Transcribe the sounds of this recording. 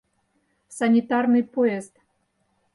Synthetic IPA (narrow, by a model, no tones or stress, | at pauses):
sanʲit̪ɑrnɨjpoest̪